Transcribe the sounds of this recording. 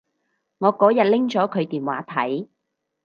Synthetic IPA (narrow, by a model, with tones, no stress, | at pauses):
ŋɔː˨˧kɔː˨˥jɐ˨t̚lɪ˥ŋt͡ʃɔː˨˥kʰɵ˨˧ɥt̪iː˨˩nwa̰ː˨˥t̪ʰɐ˨˥j